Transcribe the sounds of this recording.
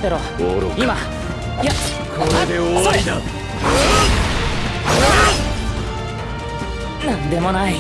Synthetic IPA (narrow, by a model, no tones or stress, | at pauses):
t̪eɾo | oɾima | ja | kʰoɾed̪eoaid̪a | nãnd̪e̞monai